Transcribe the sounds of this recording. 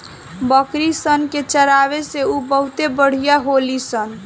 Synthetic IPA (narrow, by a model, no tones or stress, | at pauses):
bəkɾisənket͡ʃəɾaβeseubəɦut̪ebəɽ̤ijaɦolisən